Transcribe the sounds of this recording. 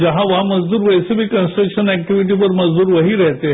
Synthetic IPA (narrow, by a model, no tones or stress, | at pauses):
d͡ʑəɦãʋɦaməd͡zd̪uːɾʋəjsibikənsʈɾəkɕənæk̚ʈiʋiʈ̬ipəɾməd͡zd̪uːɾʋəɦiːɾɛɦt̪e